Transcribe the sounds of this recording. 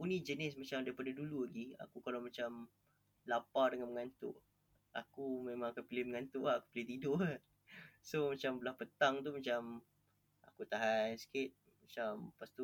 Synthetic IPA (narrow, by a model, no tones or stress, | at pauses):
kunĩd͡ʒənɪsmat͡ʃamdaɾipadaduluaɡia̰kukalawmat͡ʃam | lapadəŋanməŋant̪ʊ̰ʔ | a̰kumemãŋakanpilɪhməŋant̪ʊʔaːku̥pilɪht̪idʊʔa | somat͡ʃambəlahpət̪aŋt̪umat͡ʃam | a̰kut̪aɦansə̥kɪt̪̚ | mat͡ʃampast̪u